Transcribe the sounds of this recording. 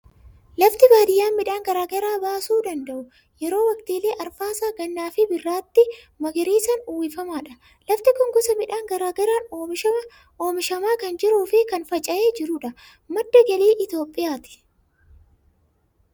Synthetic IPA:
lɐft̪ɪbaːd̪ɪjːaːnmɪᶑaːŋɡɐɾaːɡɐɾaːbaːsuːd̪ɐnd̪ɐʔʊ | jɛɾo̞ːwɐkt̪iːleːʔɐɾfaːsaːɡɐnːaːfɪbɪrːaːt̪ːɪ | mɐɡɪɾiːsɐnʊwɪfɐmaːᶑɐ | lɐft̪ɪkɔŋɡɔsɐmɪᶑaːŋɡɐɾaːɡɐɾaːnoːmɪʃɐɐ | ʔoːmɪʃɐmaːkɐnd͡ʒɪɾuːfɪkɐnfɐt͡ʃʼɐʔeːd͡ʒɪɾʊᶑɐ | mɐd̪ːɐɡɐliːʔɪt̪joːpʼːɪjaːt̪ɪ̥

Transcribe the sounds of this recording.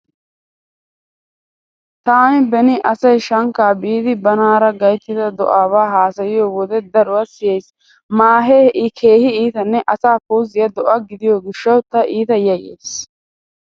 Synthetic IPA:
t̪aːnɪbɛnɪʔɐsɐjʃɐŋkaːbiːd̪ɪbɐnaːɾɐɡɐjt̪ːɪd̪ɐd̪ɔ̰ʔaːwaːɦaːsɐjɪjoːwɔd̪ɛd̪ɐɾʊwɐsɪjɛjs | maːɦeɛʔɪkʰeːhɪiːt̪ɐnːɛʔɐsaːfuːzɪjɐd̪ɔʔɐɡɪd̪ɪjoːɡɪʃːɐwt̪ɐʔiːt̪ɐjɐjḛːs

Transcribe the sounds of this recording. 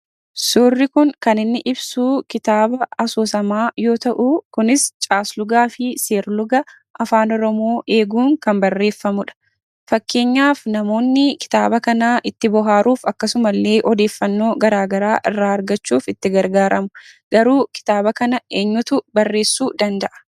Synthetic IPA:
suːrːɪkʊŋkɐnɪnːɪʔɪbsuːkɪt̪aːbɐɐsoːsɐmaːjo̞ːt̪ɐʔukʊnɪst͡ʃʼaːslʊɡaːfɪse̞ːɾlʊɡɐ | ʔɐfaːnɔɾɔmo̞ːʔe̞ːɡuːŋkɐmbɐrːe̞ːfːɐmʊᶑɐ̥ | fɐkːe̞ːɲːaːfnɐmo̞ːnːɪkɪ̥t̪aːbɐkɐnaːʔɪt̪ːɪbɔɦaːɾuːfɐkːɐsʊmɐlːe̞ːʔɔd̪e̞ːfːɐnːo̞ːɡɐɾaːɡɐɾaːʔɪrːaːɐɾɡɐt͡ʃːuːfɪt̪ːɪɡɐɾɡaːɾɐmʊ̥ɡ̥ɐɾuːkɪ̥t̪aːbɐkɐnɐeːɲːʊt̪ʊbɐrːe̞ːsːuːd̪ɐnd̪ɐʔɐ̥

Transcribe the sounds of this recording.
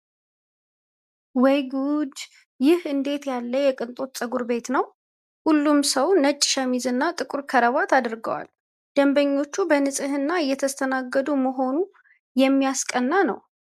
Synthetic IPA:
wɛjɡud̪ | jɪhɨnd̪e̞t̪jalːəjɛkʼɨnt̪ʼo̞t̪sʼəɡuɾbe̞t̪nəw | hulːumsəwnət͡ʃʼːɪ̥ʃəmizɨnːat̪ʼɨkʼuɾkʰəɾəβat̪ʰad̪ɾɡə̰wa̰l | d̪̥əmbəɲːo̞t͡ʃːubənɨsʼɨhɨnːaɨjːɛt̪ʰəst̪ʰənaɡːəd̪uməɦo̞nu | jɛmːijaskʼənːanə̰w

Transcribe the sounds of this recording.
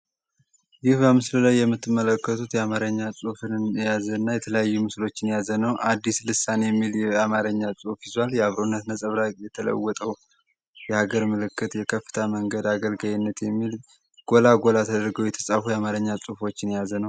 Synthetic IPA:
jɪhbəmɨslɨlajːɛmːɨt̪ʰːɨmːələkːət̪ʰut̪jɛamaɾəɲːasʼufɨnjazənːajɛt̪ʰələjajːumɨslo̞t͡ʃːɪnjazənəwʔad̪ːislɨsanjɛmːiljɛamaɾəɲːasʼufizwaljɛaβɾonːət̪nəsʼəβɾajɛt̪ʰələ̰wːɔt̪ʼəw | jɛhaɡəɾmɨlɨkːɨt̪jɛkʰəfɨ̥t̪ʰaməŋɡəd̪aɡəlɡajinːət̪jɛmːil | ɡ̥o̞laɡo̞lat̪ʰəd̪əɾɡəwjɛt̪ʰə̥sʼafujɛamaɾəɲːasʼufo̞t͡ʃːɪnjazənəw

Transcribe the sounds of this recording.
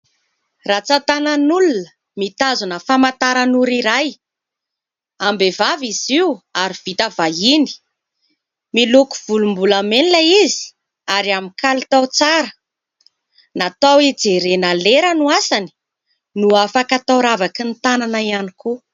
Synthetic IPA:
rat͡sat̪ananulunə | mit̪azunəfamat̪aɾanuɾiɾaj | ambevaviziuaɾiv̥it̪əvaini̥ | miluku̥v̥ulumbulameniləizi̥ | aɾiamikʰalit̪awt͡saɾə | nat̪awid͡zeɾenaleɾənuasani̥ | nuafakat̪awɾavakint̪ananaianiku

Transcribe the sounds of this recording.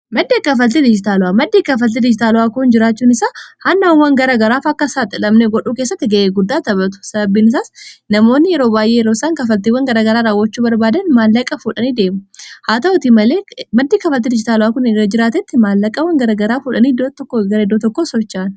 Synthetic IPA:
mɐd̪ːeːkɐfɐlt̪ɪd̪ɪd͡ʒɪt̪aːlʊaːmɐd̪ːiːkɐfɐlt̪̬ːɪd̪ɪd͡ʒɪt̪aːlʊaːkʊnd͡ʒɪɾaːt͡ʃːuːnɪsaːhanːɐwɐnwɐŋɡɐɾaːɡɐɾaːfɐkːɐsaːt̪ʼɪlɐmnɛɡɔᶑuːkeːsːɐt̪ːɪɡɐʔeːɡʊd̪ːaːt̪ɐbɐt̪̬ʊ̥sɐbɐbːiːnɪs̬aːsnɐmo̞ːnːɪjɛɾoːbaːjʔeːjɛɾoːsaːŋkɐfɐlt̪iwːɐŋɡɐɾaːɡɐɾaːɾaːwːɐt͡ʃːuːbɐɾbaːd̪ɐnmaːlːɐkʼɐfuːᶑɐniːd̪eːmʊhaːt̪ɐʔʊt̪imɐleːmɐd̪ːiːkɐfɐlt̪̬ːɪd̪ɪd͡ʒɪt̪aːlʊaːkʊnɐd͡ʒɪɾaːt̪ɛt̪ːɪmaːlːɐkʼɐwɐŋɡɐɾɐɡɐɾaːfuːᶑɐniːd̪ot̪ɔkːoɡɐɾɐɪd̪ːoːt̪ɔkːoːsɔt͡ʃːaːn

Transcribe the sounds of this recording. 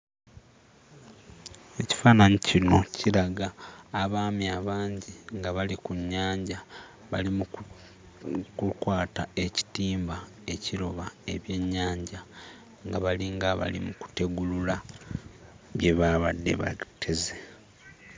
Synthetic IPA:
e̞ci̥faːnaɲicino̞cʰiɾaɡaːβaːmiaβaːɲɟiŋɡaβalikuɲːaːɲɟa | βalimu | kukwaːtae̞ci̥tiːmba | e̞ciɾo̞βae̞βje̞ɲːaːɲɟa | ŋɡaβaliŋɡaβa̰lḭmuku̥te̞ɡulula | βje̞βaβadːe̞̰βa̰tʰːe̞ze

